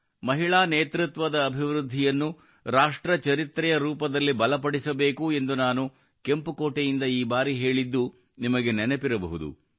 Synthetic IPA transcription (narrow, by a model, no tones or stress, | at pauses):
mɐɦiɭaːneːt̪ɾut̪ʋɐd̪ɐːbʱiʋɾud̪ʱːijɐnːu | ɾaːʂʈɾɐt͡ʃɐɾit̪ɾɛjɐɾuːpɐd̪ɐlːibɐlɐpɐɽisɐbe̞ːkuend̪unaːnu | ke̞mpukoːʈejind̪ɐiːbaːɾiɦe̞ːɭid̪ːu | nimɐɡe̞nɛnepiɾɐbɐɦud̪ṵ